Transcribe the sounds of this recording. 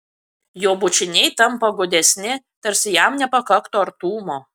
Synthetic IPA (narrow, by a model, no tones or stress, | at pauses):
joːbʊt͡ʃʲɪnʲɛɪt̪ɐmpɐɡʊd̪ʲɛsʲnʲɪ | t̪ɐɾʲsʲɪjæmnʲɛpɐkɐkt̪oːɐɾt̪uːmoː